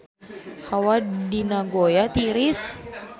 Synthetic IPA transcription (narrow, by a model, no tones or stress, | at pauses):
hawadinaɡojat̪iɾis